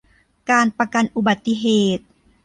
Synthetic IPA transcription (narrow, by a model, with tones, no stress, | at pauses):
kaː˧npa˧ka˧nʔu˨˧˩ba˨˩t̪ːi˧˥ɦeː˨˩t̪̚